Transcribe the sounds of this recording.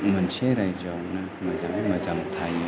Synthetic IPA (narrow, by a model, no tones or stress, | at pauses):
umanseɾajd͡ʒawnɐ | mɐzaŋmɐzaŋt̪ʰaj